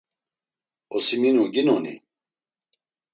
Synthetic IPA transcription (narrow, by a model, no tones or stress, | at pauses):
ɔsiminuɡinɔnḭ